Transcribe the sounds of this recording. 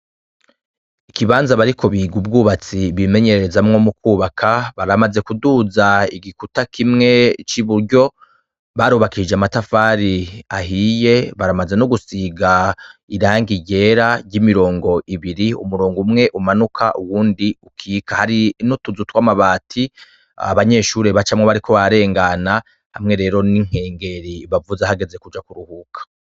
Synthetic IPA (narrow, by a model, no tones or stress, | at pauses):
ikiβaːnzaβaɾikʰo̞βiɡub̚ɡuːβat͡siβime̞ɲe̞ɾeɾezamŋo̞muk̚uːβakʰaβaɾamaze̞kuduzaiɡikutakʰimŋe̞t͡ʃiβuɾɟo̞ | βaɾuβakid͡ʒeamatafaːɾiahije̞βaɾamaze̞noɡusiːɡaiɾaːŋɡiɟe̞ːɾajimiɾo̞ːŋɡo̞ʔiβiɾiṵmuɾoːŋɡumŋe̞ʔumanukʰaʔuwuːndiukʰiːkahaɾinutuzutwamaβaːtʰi | a̰βaɲe̞ːʃuːɾe̞βat͡ʃamŋeβaɾiko̞βaɾe̞ːŋɡana | ha̰mŋe̞ɾe̞ːɾo̞niŋ̥he̞ːŋɡe̞ɾiβavuzahaɡe̞ze̞kud͡ʒakuɾuhukʰḁ